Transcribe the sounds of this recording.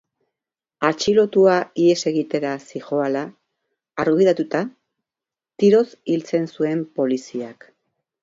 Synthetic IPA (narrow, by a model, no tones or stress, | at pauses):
at͡ʃilo̞t̪uaie̞se̞ɣit̪e̞ɾasixo̞alaː | ɾɣiðat̪ut̪a | t̪iɾo̞silt͡se̞nsue̞mpo̞lisiak